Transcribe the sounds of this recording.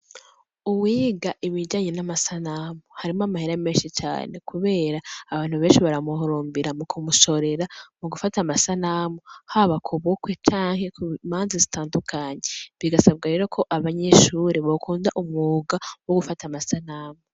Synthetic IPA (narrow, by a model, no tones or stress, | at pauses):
uwiːɡaʔiβid͡ʒaːɲe̞namasanamohaɾimoamahiɾameːnʃit͡ʃa̰ːne̞kuβe̞ːɾaːβaːn̥huβeːnʃiβaɾamuɦoɾoːmbiɾamukʰumuʃo̞ɾe̞ɾamuɡufatamasanamohaːβakʰuβukwe̞t͡ʃaːŋhe̞kumaːnzazitaːndukʰaːɲe̞βiɡasab̚ɡaɾe̞ːɾo̞kʰo̞ʔaβaɲe̞ʃuːɾeβokuːndaʔumŋuːɡawoɡufatamasanaːmo